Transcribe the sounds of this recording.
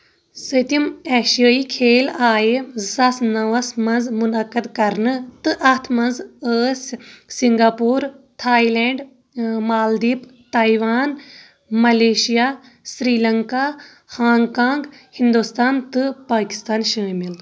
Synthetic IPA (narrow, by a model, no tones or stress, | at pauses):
sət̪imɛːʃijəːikʰeːlaːjezɐsnɐʋɐsmɐnzmunɐkəd̪kɐɾnɨt̪ɨʔɐt̪ʰmɐnzəssiŋɡaːpuːɾt̪ʰaːilɛːɳɖ | maːld̪iːpt̪aːiʋaːn | mɐleːʃijaː | sɾiːlɐŋka | haːŋkaːŋɡhind̪ust̪aːnt̪ɨpaːki̥st̪aːnʃəːmil